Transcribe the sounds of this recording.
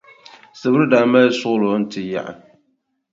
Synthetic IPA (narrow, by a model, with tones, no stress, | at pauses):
sɨ˨bɾdaː˨ma˦sʊ˦ɣlʊ˨˦n̩˦tʰɪ˨ja̰˨ʔa̰˨